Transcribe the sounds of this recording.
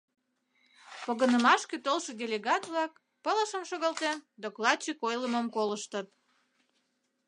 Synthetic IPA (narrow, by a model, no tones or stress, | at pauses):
poɣənəmɑʃket̪olʃə̆dʲelʲeɣɑt̪βlɑk | pələʃəmʃoɣɑlt̪end̪oklɑd̪̚t͡ɕikojləməmkoləʃt̪ət̪̚